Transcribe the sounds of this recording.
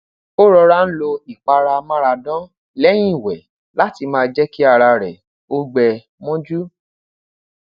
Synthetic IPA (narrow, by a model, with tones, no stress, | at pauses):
o˦ɾɔ˧ɾa˧˦n̩˦lo˧i˨k͡pa˧ɾa˧mã˦ɾa˧dɔ̃˦ | lɛ˦j̃ĩ˦i˦˨wɛ˨ | la˦ti˧mãː˦˧d͡ʒɛ˦ki˦a˧ɾa˧ɾɛ˨ | o˦ɡ͡bɛ˧ | mɔ̃˦d͡ʒu˦